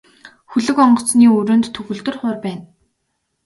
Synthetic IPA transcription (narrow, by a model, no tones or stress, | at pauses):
xɵɮɵ̆kɔɴɢɞ̆t͡sniːɵɾɵ̆ːnt̪ʰːɵxɵ̆ɮt̪ɵ̆rχʊːrpæːn